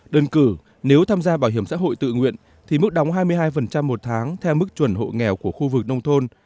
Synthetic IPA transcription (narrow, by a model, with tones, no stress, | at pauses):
ɗəː˧nkɨ˧˩ | ne˨˦wt̪ʰaː˧mzaː˧ɓaː˧˩wɦi˧˩əmsa̰ː˧˥ɦo̰˧˨jt̪ɨ̰˧˨ŋwḭ˧˨ən | t̪ʰi˨˩mɨ˦˥k̚ɗa˨˦wŋ͡mɦaː˧jmɨ˧əjɦaː˧jfə˨˩nt͡ɕa˧mːo˨˩t̚t̪ʰaː˨˦ŋt̪ʰɛ˧wmɨ˦˥k̚t͡ɕwə˧˩nɦo̰˧˨jŋɛ˨˩wku˧˩əxu˧vɨ˨˩k̚nə˧wŋ͡mt̪ʰo˧n